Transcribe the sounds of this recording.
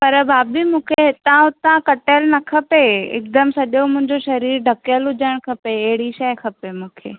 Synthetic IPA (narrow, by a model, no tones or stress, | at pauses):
pɐɾbʱaːbɪmũːkʰeɦɪt̪ãʊt̪ãkɐʈəlnɐkʰɐpeɪ̰kd̪əmsɐʄjomʊ̃ɦɪ̃ɲd͡ʑoʃɐɾiːɾɖʱɐkəlʊd͡ʑəɽ̃kʰɐpeːɦɪɽiʃɐjkʰɐpemũːkʰḛː